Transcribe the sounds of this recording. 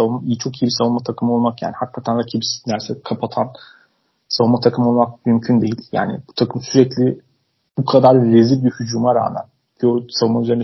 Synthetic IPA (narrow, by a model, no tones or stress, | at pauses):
avumaijit͡ʃʰo̞kijibisavumat̪ʰakʰɯmɯo̞lˠmakja̰ːnihakːat̪ʰænɾacʰibisnæɾsɛkʰapʰat̪ʰan | savumat̪ʰakʰɯmo̞lˠmak̚mymcʰynd̪e̞jilʲja̰ːnɪ̰bu̥t̪ʰakʰɯmsyɾɛclʲi | b̥ukʰad̪aɾːezibiɾhyd͡ʒuːmaɾa̰ːmæ̰n | cʰiosavumayze̞ɾn